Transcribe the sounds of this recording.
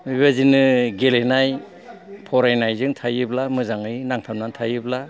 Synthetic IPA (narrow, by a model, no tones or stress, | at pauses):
mɯβazinɯɡelenaj | pʰɔɾajnajzɯŋtʰajɯblamɯzaŋɯjnaŋtʰamnantʰajɯbla